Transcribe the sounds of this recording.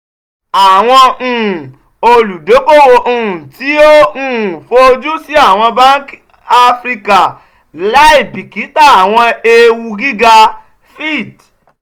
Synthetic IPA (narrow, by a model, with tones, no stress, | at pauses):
a˨w̃ɔ̃˧˨ | o˧lu˨do˨˦ko˦˨wo˧ʔũ˦˨ti˨˦o˦ũ˦˨fo˧d͡ʒu˦si˨˦a˦˨w̃ɔ̃˧ba˦n˦k | a˦fɾi˧ka˨ | la˨˦i˦˨bi˨ki˨˦ta˦˨a˨w̃ɔ̃˧e˧wu˧ɡi˦ɡa˧ | fi˦˨d